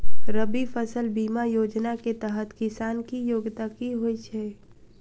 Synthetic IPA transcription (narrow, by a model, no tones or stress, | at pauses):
ɾəbifəsəlbiːmajoːd͡ʒnaket̪ɛɦət̪kɪsaːnkijoːɡt̪akiɦoit͡ʃʰɛː